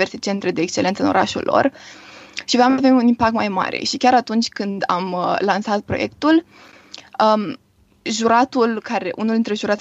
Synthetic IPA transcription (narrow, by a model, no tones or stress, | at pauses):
ve̞rse̞t͡ʃe̞nt̪ɾe̞d̪e̞ːkst͡ʃelent̪səɨno̞ɾaʃṵlːo̞̰r | ʃivamavemunimpakt̪majma̰ɾḛʃikʲaɾat̪unt͡ʃʲkɨnd̪a̰məlansat̪̚pɾo̞̰je̞k̚t̪ul | ə | ʒuɾat̪ulkaɾeʔṵnuld̪int̪ɾe̞ʒuɾat̪sʲ